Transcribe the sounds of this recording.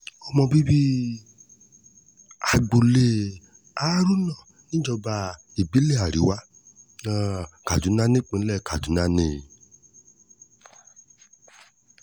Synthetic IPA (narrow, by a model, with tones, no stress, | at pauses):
ɔ˧mɔ̃˧bi˦bi˦ | a˨ɡ͡bo˨le˧˨ | a˦ɾu˦nã˦˨ | nĩ˦d͡ʒɔ˧ba˧ | i˨bi˨˦le˦˨a˨ɾi˨˦wa˦ | ka˨du˨˦nã˦nẽ˦˨k͡pẽ˧n̩˦lɛ˦˨ka˨du˨˦nã˦nẽ˦˨